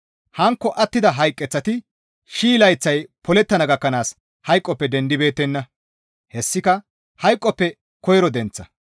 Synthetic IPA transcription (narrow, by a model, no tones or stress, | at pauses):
hɐŋkːɔʔɐt̪ːɪd̪ɐɦɐjkʼːɛt͡sːɐt̪ɪ | ʃiːlɐjt͡sːɐjpɔlɛt̪ːɐnɐɡɐkːɐnaːs | hɐjkʼːɔpːɛd̪ɛnd̪ɪbe̞ːt̪ːɛnːɐ | hɛsːɪkɐ | hɐjkʼːɔpːɛ | kɔjɾɔd̪ɛnt͡sːɐ